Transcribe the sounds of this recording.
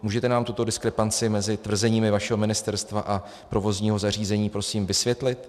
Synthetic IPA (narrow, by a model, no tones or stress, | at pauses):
muːʒɛt̪ɛnaːmt̪ut̪o̞dɪskɾɛpant͡sɪmɛzɪt̪vr̩zɛɲiːmɪvaʃɛɦo̞mɪnɪst̪ɛɾst̪vaʔa | pɾo̞vo̞zɲiːɦo̞zariːzɛɲiːpɾo̞siːmvɪsvjɛt̪lɪt̪